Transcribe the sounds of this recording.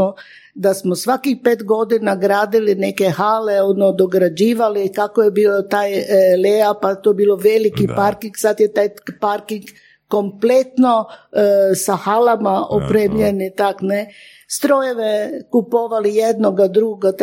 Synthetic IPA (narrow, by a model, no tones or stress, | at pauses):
o | d̪asmosʋakixpeːt̪ɡo̞d̪inaɡɾaːd̪ilinekexaleonod̪oɡɾad͡ʒiːʋalikakojebiːlot̪aːjleapat̪ojebiːloʋelikipaɾkiŋɡsat̪jet̪ajpaɾkiŋɡ | komplet̪no | saxalamaʔopɾeːmʎenit̪akne | st̪ɾojeʋekupoʋalijed̪noɡad̪ɾuɡa